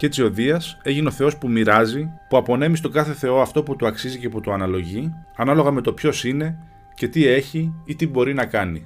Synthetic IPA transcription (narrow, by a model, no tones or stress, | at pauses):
ce̞t͡sio̞ðiɐse̞ʝineo̞θe̞o̞spumiɾɐzipuɐpo̞ne̞mist̪o̞ɡɐθe̞θe̞o̞ɐft̪o̞put̪uɐksizice̞put̪uɐnɐlo̞ʝiɐnɐlo̞ɣɐme̞t̪o̞pço̞sine̞ | ce̞t̪ie̞çiit̪ibo̞ɾinɐkɐni